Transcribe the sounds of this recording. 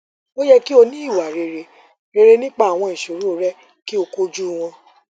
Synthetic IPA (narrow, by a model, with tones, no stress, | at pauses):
o˦jɛ˧ki˦o˧nĩ˦i˦˨wa˨ɾe˨ɾe˧ | ɾe˧ɾe˧nĩ˦k͡pa˦˨a˨w̃ɔ̃˧i˨ʃo˨ɾu˦o˧ɾɛ˦ | ki˦o˧ko˦d͡ʒu˦˨w̃ɔ̃˧